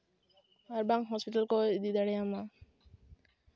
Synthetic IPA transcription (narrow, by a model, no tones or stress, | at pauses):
aɾbaŋɦɔspiʈalkɔd̪id̪aɽɛjama